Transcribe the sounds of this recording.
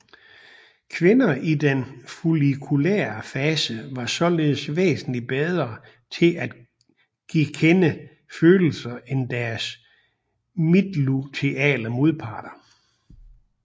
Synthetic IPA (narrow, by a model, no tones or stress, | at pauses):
kʰʋe̝nɐʔid̥enfulikʰulḛːɐfɛːsəʋɑ̈sɒ̽le̝ːð̩ˠsʋḛːsn̩lib̥eð̞ˠʁɐ | t͡sʰe̝lʔæd̥ | ɡ̥ikʰenə | føːl̩sɐend̥æɐs | mid̥lut͡sʰe̝ʔɛ̰ːlɐmo̝ðˠpʰɑ̰̈ːd̥ɐ